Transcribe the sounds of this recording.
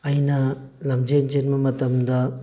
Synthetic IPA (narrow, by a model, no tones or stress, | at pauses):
ɐjnɐlɐmd͡ʒend͡ʒɐnmɐmɐt̪ɐmd̪ɐ